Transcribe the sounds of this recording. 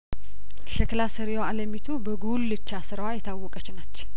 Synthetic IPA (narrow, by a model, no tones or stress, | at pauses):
ʃɛklasəɾijoaləmit̪ʰubəɡulːɨt͡ʃːasɨɾawajɛt̪ʰawːɔkʼət͡ʃːɪnat͡ʃː